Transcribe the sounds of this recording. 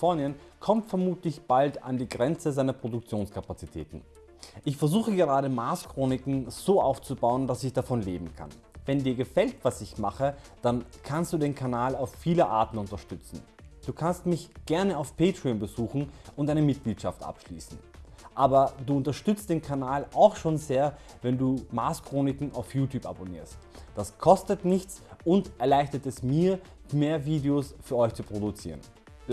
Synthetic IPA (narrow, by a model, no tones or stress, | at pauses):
fɔɐnən | kʰɔmtfɛɐmuːtlɪçb̥alta̰ndiːɡʁɛnt͡səzaɪnɐpʁ̥odʊk̚t͡sjoːnskʰapat͡si̥tʰɛ̰ːtn̩ | ʔɪçfɛɐzuːxəɡəʁ̞aːɾəmaɐskʁ̥oːnɪkŋ̩z̥oːʔaʊft͡subaʊənd̥asɪçd̥afɔnleːbm̩kʰa̰n | vɛndiːɐɡəfɛltv̥asɪçmaχəd̥ankʰanstd̥uːdeːnkʰanaːlaʊfːiːləʔa̰ɐtn̩ʊntɐʃtʏt͡sn̩ | d̥uːkʰanstmɪçɡ̥ɛɐnəaʊfpʰeːtʁ̥ionbəzuːxn̩ʔʊntdʔaɪnəmɪt̚ɡ̥liːtʃaftʔa̰pʃlḭːsn̩ʔaːbɐduːʊntɐʃtʏt͡st̚d̥eːnkʰanaːlʔaʊxʃoːnzeːɐ | vɛnduːmaːskʁ̥oːnɪkŋ̩a̰ʊfjuːtʰjuːpa̰bonḭːɐst | d̥askʰɔstətnɪçt͡sʊntʔɛɐlaɪçtɐtɛsmiːɐ | meːɐviːdeosfyːɐɔʏçt͡supʁ̥oɾut͡sḭːʁən